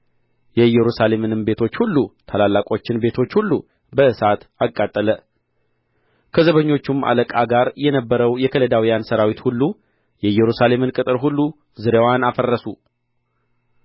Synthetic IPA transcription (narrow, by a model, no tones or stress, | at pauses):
jɛjːɛɾusale̞mɨnɨmbe̞t̪ʰo̞t͡ʃːhulːut̪ʰalalːakʼo̞t͡ʃːɪnbe̞t̪ʰo̞t͡ʃːhulːu | bəʔɨsat̪akʼːat̪ʼːələ | kʰəzəβəɲːo̞t͡ʃːumʔa̰ləkʼaɡaɾjɛnəbːəɾəwjɛkʰələd̪awijansəɾawit̪hulːu | jɛɨjːɛɾusalemɨnkʼɨt̪ʼɨɾɦulːu | zɨɾewanafərːəsu